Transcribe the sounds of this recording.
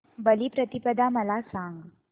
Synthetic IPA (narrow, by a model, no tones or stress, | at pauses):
bəliːpɾət̪ipəd̪ʱaməlasãŋɡ